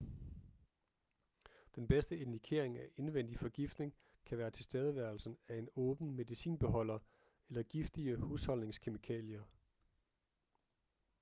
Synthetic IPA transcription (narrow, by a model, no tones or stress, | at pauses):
d̥enb̥esd̥əe̝nd̥ikʰe̝ɐ̰e̝ŋæʔe̝nʋen̰d̥ifɒ̽ɡ̥ifd̥ne̝ŋ | kʰæʋæːɐt͡sʰe̝lsd̥eːð̞ˠəʋæɐl̩sn̩æe̝nɔ̽ːb̥n̩me̝ðˠisḭːnb̥e̝ɦɒ̽l̰ɐ | elɐɡ̥ifd̥iəhushɒ̽lne̝ŋskʰe̝mikʰɛ̰ːljɐ